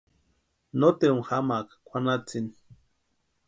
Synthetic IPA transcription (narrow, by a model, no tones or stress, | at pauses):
not̪eɾuŋxamakakʷʰanat͡sini